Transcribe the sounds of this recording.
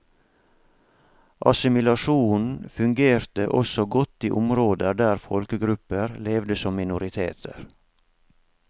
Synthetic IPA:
ʔɑ̰sɪmɪlɑʃuːnfʉŋɡeːɾt̪əʔɔsɔɡɔt̪ːiːʔʊmɾoːd̪əɖ̪æːɾfɔlkəɡɾʉpəɾleːʋd̪əsɔmːɪnʊɾɪt̪ʰeːt̪ʰə̰ɾ

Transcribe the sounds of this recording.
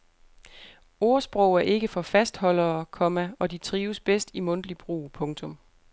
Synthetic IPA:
o̝ɐsb̥ʁɔʊ̰æɐʔe̝ɡ̥əfɒ̽fæsd̥hɒ̽l̰ɐːkʰɒ̽mæɒ̽dit͡sʰʁiːʊsb̥esd̥imɔ̽n̰d̥lib̥ʁṵːpʰɔ̽ŋt͡sʰɔ̽m

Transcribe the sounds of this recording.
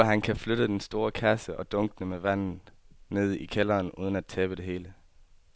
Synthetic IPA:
ɒɦænkʰæfløɾ̥əd̥ensd̥o̝ːɐkʰæsəʔɒ̽d̥ɔ̽ŋɡ̥ənəmeʋæn̰n̩ne̝ð̰ˠikʰelɐːnṵːð̞ˠənæd̥̚t͡sʰɛːb̥əd̥e̝ɦe̝ːlə

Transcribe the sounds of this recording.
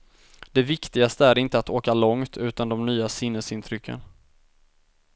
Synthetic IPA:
d̪̥ɛvɪkt̪ɪɡast̪əæɾɪnt̪əat̪oːkalɔŋt̪ʰʉ̟ːt̪and̪ɔmnyːasɪnːəsɪnt̪ʰɾʏkʰːə̰n

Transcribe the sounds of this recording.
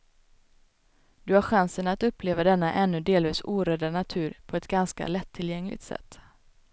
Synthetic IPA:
d̪̥ɵhaɾɧansənat̪ɵpːleːvad̪ɛnːaʔɛnːɵd̪eːlviːsuːɾøːd̪anat̪ʰʉ̟ːɾpʰɔɛt̪ɡanska̰lɛt̪ʰːɪljɛŋlʔɪ̰t̪sɛ̰t̪ː

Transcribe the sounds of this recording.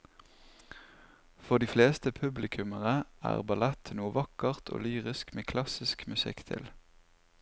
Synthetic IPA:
fɔʁd̪iːfleːst̪əpʰʉblɪkʰʉməʁəæ̰ːʁbɑlɛt̪nuːəʋɑkəʁt̪ʰo̰ːlyːʁɪskmeːkʰlɑsɪskmʉsɪ̰kt̪ʰɪ̰l

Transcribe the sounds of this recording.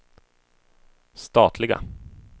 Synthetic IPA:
st̪ɑːt̪ʰlɪɡa̰

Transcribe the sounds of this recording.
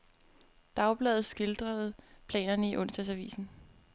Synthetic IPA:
d̥ɑ̈ʊb̥lɛːð̩ˠsɡ̥e̝ld̥ʁɐð̩ˠpʰlɛ̰ːnɐnəiʔɔ̽nsd̥ɐsæʋḭːsn̩

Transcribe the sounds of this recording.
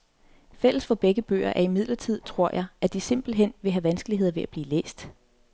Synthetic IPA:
fel̰əsfɒ̽b̥eɡ̥əb̥ø̰ːɐʔæɐimið̰ˠlɐt͡sʰið̞̰ˠt͡sʰʁo̝ɐ̰jʔɑ̈ɪʔæd̥ise̝mb̥l̩ɦen̰ʋe̝ɦæʋænsɡ̥əliɦe̝ð̞̰ˠɐʋe̝ʔæb̥liːlḛːsd̥

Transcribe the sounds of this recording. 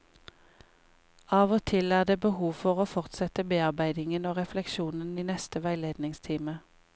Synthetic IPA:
ɑːʋoːt̪ʰɪlæːʁd̪eːbəhuːʋfɔʁoːfɔʁt̪sɛt̪əbeːɑʁbæɪd̪ɪŋənoːʁɛflɛkʃuːnəniːnɛst̪əʋæɪleːd̪nɪŋst̪ʰiːmə

